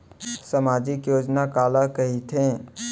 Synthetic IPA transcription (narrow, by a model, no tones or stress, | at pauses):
səmaːd͡ʒɪkjoːd͡ʒnakaːlakəɦit̪ʰẽ